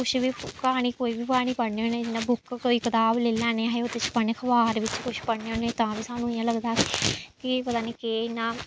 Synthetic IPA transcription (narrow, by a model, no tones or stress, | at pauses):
kʊʃbiːkəɦaːɽ̃iːkoːiːbiːpəɦaːɽ̃iːpəɽneoːneːɪnãːbʊkːkoːiːkət̪aːbleːlɛːneːaːɦeːoːt̪et͡ʃʰpənekʰəʋaːɾʋɪt͡ʃkʊʃpəɽneːoːneːt̪ãːʋiːsaːnũːɪjãːləɡd̪aːkɪpət̪aːniːkeːnãː